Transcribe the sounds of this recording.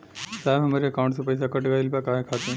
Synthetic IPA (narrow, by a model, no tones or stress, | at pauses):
saːbɦɐmaɾeɐkaʊ̃ɳʈsepɐjs̬akəʈɡaːɪlpakaːɦekʰaːt̪ẽ